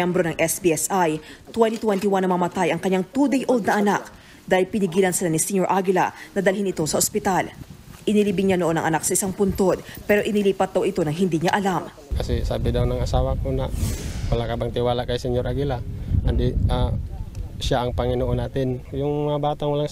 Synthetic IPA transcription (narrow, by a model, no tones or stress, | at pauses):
ɛmbɾo̞nɐŋʔɛsbiɛsʔajt̪wɛnt̪it̪wɛnt̪iwanːɐmɐmɐt̪ajʔɐŋkɐɲaŋt̪ud̪ɛjʔo̞ld̪̚nɐʔɐnak̚ | d̪aːhɪlpɪnɪɡiːlɐnsɪlanisɛɲoɹʔaɡɪla̰nɐd̪ɐlhɪnɪt̪o̞sɐʔospɪt̪alʔɪnɪlibɪŋɲanoʔo̞nɐŋʔɐnak̚sɐʔɪsaŋpʊnt̪o̞d̪̚pɛɾo̞ʔɪnɪliːpɐt̪̚d̪ɐwʔɪt̪o̞nɐŋɦɪnd̪iɲaʔɐlam | kɐsɛsaːbɪd̪awnɐŋɐsaːwɐkonawɐlakɐbaŋt̪ɪwaːlakɐjsɛɲoɾʔaɡɪlahand̪iʔa | ʃaʔɐŋpɐŋɪnoʔonaːt̪ɪnjʊŋmɐŋabaːt̪aŋwɐlaŋ